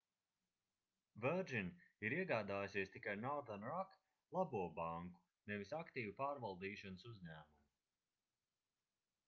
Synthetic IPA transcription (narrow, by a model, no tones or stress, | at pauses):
vɛɾd͡ʒiniɾiɛɡaːd̪aːjsiɛst̪ikajnɔɾd̪anɾak | lˠabuɔbaŋku̥ | nɛvisakt̪iːvupaːɾvalˠd̪iːʃɔnəsuzɲæːmumi